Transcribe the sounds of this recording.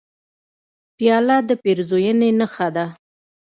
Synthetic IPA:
pjɑlad̪əpeɾzojənenəxad̪a

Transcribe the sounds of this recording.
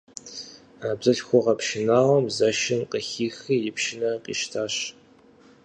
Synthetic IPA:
aːbzʼɨɬxʷɔʁɐpʰʃɪnaːʁɐmzɐʃɪnqəxiːxijɪpʃɪnɐqḭːʃtʰaːɕ

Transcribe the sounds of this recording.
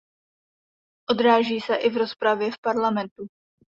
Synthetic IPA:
ʔo̞d̪ɾaːʒiːsɛʔɪvɾo̞spɾavjɛfpaɾlamɛnt̪u

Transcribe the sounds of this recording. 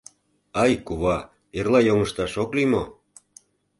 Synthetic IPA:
ɑjkuβɑ | erlɑjoŋəʃt̪ɑʃoklimo

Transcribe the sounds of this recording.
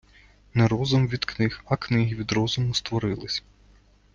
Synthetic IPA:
nɛɾɔzʊmʋʲid̪knɪxɐknɪɦiʋʲid̪ɾɔzʊmʊst̪ʋɔɾɪlˠɪsʲ

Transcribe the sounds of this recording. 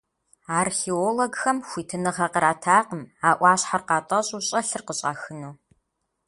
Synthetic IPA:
aːrxeːoloɡxɐmxʷiːtʰɨnɨʁɐqəɾaːtʰaːqəmaːʔʷɑːɕħarqɑːtʼɐɕʼuɕʼɐɬɨrqəɕʼa̰ːxɨnoː

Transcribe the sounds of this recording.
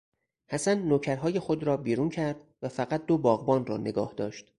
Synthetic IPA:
hæsænːoːcʰæɾɦɒːje̞xo̞d̪ɾɒːbiːɾuːncʰæɾd̪̥væfæɣæt̪̚d̪o̞bɒːɣbɒːnrɒ̰ːne̞ɡɒ̰ːhd̪ɒːʃt̪

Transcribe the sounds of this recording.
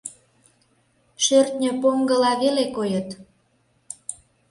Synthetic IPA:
ʃørt̪nʲəpoŋɡəlɑβelekojət̪

